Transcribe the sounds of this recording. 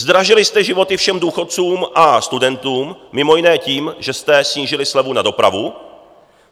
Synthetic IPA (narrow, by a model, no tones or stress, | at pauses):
zd̪ɾaʒɪlɪst̪ɛʒɪvo̞t̪ɪfʃɛmduːxo̞t̪̚t͡suːmʔast̪udɛnt̪uːmːɪmo̞jɪnɛːciːmʒɛst̪ɛsɲiːʒɪlɪslɛvunado̞pɾa̰vu